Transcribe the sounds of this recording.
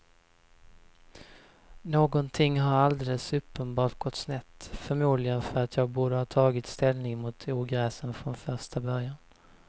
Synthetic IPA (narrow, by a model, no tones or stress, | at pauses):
noːɡɔnt̪ʰɪŋːɦaɾald̪ɛləsɵpːənbɑːʈ̚ɡ̥ɔt̪snɛt̪ːfœɾmuːd̪lɪɡənfœɾat̪ʰjɑːɡ̚buːɖəhɑːt̪ʰɑːɡɪt̪st̪ɛlnɪŋmʊt̪ʰuːɡɾɛːsənfɾɔnfœʂʈabœɾjan